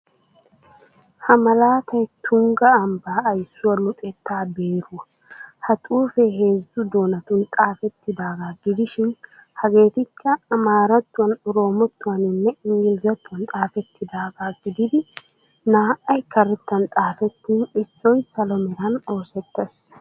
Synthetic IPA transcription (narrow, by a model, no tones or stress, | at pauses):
hɐmɐlaːt̪ɐjt̪ʰʊŋɡɐːmbaːɐjsːʊwɐlʊt̪ʼɛt̪ːaːbe̞ːɾu | hɐt̪ʼuːfɛheːzʊd̪o̞ːnɐt̪ʊnt̪ʼaːfɛt̪ːɪd̪aːɡaːɡɪd̪ɪʃɪn | hɐɡe̞ːt̪ɪkʰːɐːmaːɾɐt̪ːʊwɐnʊɾo̞ːmɔt̪ːʊwɐnɪnːɛɪŋɡɪlzɐt̪ːʊwɐnt̪ʼaːfɛt̪ːɪd̪aːɡaːɡɪd̪ɪd̪ɪ | naːʔɐjkɐɾɛt̪ːɐnt̪ʼaːfɛt̪ːiːnɪsːɔjsɐlɔmɛɾɐno̞ːsɛt̪ːɐs